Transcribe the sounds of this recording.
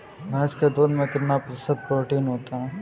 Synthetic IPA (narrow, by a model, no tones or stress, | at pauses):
mɛ̃ɪsked̪oːnmẽkɪt̪napɾɐsəd̪̚pɾoːʈiːnɦoːt̪aɦɛ̃ː